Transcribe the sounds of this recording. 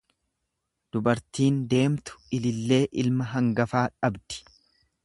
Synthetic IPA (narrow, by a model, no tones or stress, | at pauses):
d̪̥ʊbɐɾt̪iːnd̪e̞ːmt̪ʊ̥ɪlɪlːe̞ːʔɪlmɐɦɐŋɡɐfaːᶑɐbd̪̥ɪ̥